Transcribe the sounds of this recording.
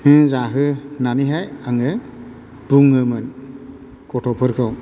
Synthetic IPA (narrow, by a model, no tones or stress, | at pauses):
hɯ̃zaɦɯnaniɦajaŋɯ | t̪uŋɯmɯn | kɔtʰɔpʰɯɾkʰɔw